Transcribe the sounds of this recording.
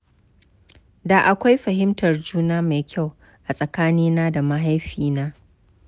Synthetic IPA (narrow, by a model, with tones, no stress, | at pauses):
daː˨ʔa˨kʷa˦jɸɐ˨ɦɪ˦mtɐ˨rd͡ʒuː˦naː˦ma˨jkʲʰa˦˨w | ʔa˨sʼɐ˨kaː˦niː˦naː˦da˨ma˦ɦa˦jɸiː˨naː˦